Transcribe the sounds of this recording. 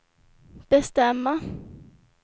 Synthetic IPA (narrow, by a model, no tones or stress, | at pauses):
b̥ɛst̪ɛmːa